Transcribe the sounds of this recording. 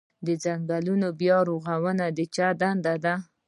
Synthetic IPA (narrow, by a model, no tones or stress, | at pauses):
d̪əzaŋɡalunobjɑɾoɣawənad̪ət͡ʃad̪and̪ad̪a